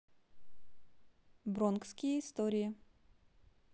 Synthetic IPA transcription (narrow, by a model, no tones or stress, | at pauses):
bɾonkskʲɪjəist̪oɾʲɪjə